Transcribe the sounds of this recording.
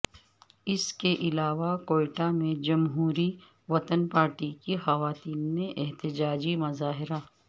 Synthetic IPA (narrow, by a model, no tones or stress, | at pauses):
ɪskeʔɪlaːʋakoːɪʈamẽd͡ʒɐmɦuːɾi | ʋɐt̪ənpaːɾʈikixɐʋaːt̪iːnmẽʔɛɦt̪ɪd͡ʒaːd͡ʒimɐzaːɦɪɾa